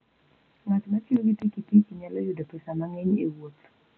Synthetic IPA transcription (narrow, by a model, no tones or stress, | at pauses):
ŋatmatɪoɡitikitiiɲalɔjʊdapɛsamaŋɛɲewot̪